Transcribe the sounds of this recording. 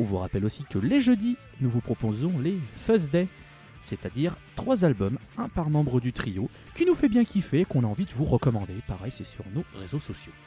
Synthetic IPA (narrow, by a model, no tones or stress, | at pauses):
ɔ̃vuʁapɛlosikəleʒød̪i | nuvupχɔpozɔ̃lefœzd̪ɛ | set̪ad̪iʁt̪χwazalbɔm | ɛ̃paʁmɑ̃bʁəd̪yt̪χijo | kʲinufɛbjɛ̃kʲʰifɛːkɔ̃naɑ̃vid̪əvuʁəkɔmɑ̃d̪epaʁɛjsɛsyʁnoʁezosɔsjo